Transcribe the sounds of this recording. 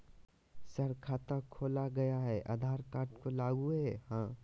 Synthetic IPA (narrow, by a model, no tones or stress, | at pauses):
səɾkʰaːt̪akʰoːlaɡɐjaɦɛʔa̰d̪ʱaːɾkaːɾʈkolaːɡueɦɛhãː